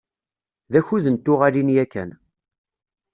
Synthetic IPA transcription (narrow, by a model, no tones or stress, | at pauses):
ðæçuðənt̪ːʊʁalinjækːæ̰n